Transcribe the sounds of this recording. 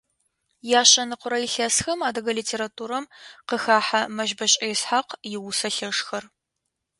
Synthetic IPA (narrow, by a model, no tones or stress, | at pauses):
jaːɕʼɐnɨqʷʊɾɐjiɪɬɐsxɐmaːdɐɣɐliːtʰeːɾatʰuːɾɐmqəxaːħamɐʒbɐɕʼɐjsħaqjɪwʊsɐɬɐʂxɐr